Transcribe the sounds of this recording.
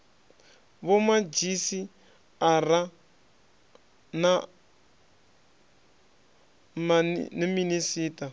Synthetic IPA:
βɔmad͡ʒisi | aɾa | na | maniminisiːta

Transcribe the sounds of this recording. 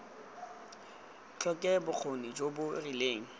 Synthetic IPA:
t͡ɬʰɔkʼɛbʊk͡xʰonid͡ʒobʊrileːŋ̩

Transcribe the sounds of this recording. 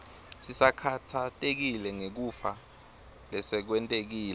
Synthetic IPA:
sisakʰatʰatʼek̬ilɛŋek̬ufa | lɛsɛk̬wɛntʼek̬iːlɛ

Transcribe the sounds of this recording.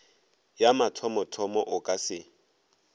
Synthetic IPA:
jamatʰɔmɔtʰɔmɔʔʊkʼasɪ

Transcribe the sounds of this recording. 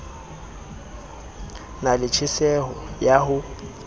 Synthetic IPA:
nalɪt͡ʃʰɪsɛɦɔjaɦʊ

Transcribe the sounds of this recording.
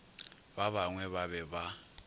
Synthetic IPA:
baβaŋwɛβaβɛba

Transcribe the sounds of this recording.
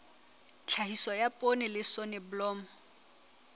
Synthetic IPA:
t͡ɬʰaɦiswɔjapʼonɪlɪsɔnɛbʊlɔːmɔ

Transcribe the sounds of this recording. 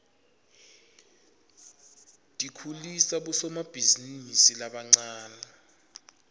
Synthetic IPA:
tʼikʰulisaɓusɔmab̥ʱizinisilaɓaŋ͡ǀaːna

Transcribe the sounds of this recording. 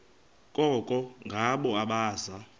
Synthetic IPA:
kʼɔkʼɔŋɡʱaɓɔaɓaːza

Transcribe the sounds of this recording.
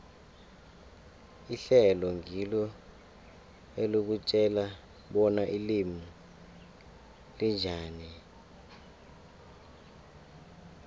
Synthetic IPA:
iɬɛlɔŋʱilɔ | eluk̬ut͡ʃʼɛla | ɓɔnaʔilimu | lind͡ʒʱaːni

